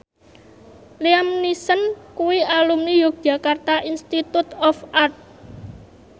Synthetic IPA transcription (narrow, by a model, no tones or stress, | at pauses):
liamnisənkuwiʔalumnijʊk̚dʒ̥a̤kart̪aʔinst̪it̪ut̪ɔfʔart̪̚